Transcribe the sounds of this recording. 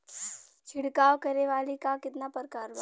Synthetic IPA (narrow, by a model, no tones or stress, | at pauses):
t͡ʃʰɪɽkaːwkɐɾeʋaːlikakɪt̪napəɾkaːɾba